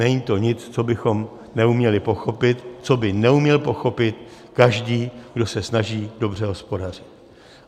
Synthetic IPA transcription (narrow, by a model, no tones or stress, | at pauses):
ɛɲit̪o̞ɲɪt͡st͡sobɪxo̞m | nɛumɲɛlɪpo̞xopɪt̪t͡so̞bɪnɛumɲɛlpo̞xo̞pɪt̪ | kaʒdiːɡdo̞sɛsnaʒiːdo̞br̝ɛɦo̞spo̞darɪt̪̚